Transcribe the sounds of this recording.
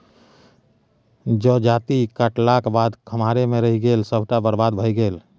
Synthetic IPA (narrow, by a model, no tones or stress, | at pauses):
d͡ʒod͡ʒaːt̪ikəʈlakbad̪kʰəmaɾemeɾəɦiɡeːlsəbʱʈabəɾbad̪bʱəjɡeːl